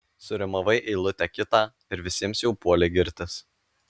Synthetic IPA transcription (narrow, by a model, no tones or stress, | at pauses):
sʊɾʲɪmɐʋɐɪʔɛːlˠʊt̪ʲɛkʲɪt̪ɑː | ɪɾʋʲɪsʲiɛmsjɛʊpuɔlʲɛɪɡʲɪɾʲt̪ʲɪs